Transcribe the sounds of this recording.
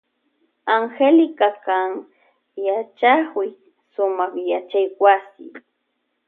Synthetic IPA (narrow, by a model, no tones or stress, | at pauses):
aŋxelɪkakaŋ | jat͡ʃakʊj | sʊmɑχjat͡ʃajwasɪ̰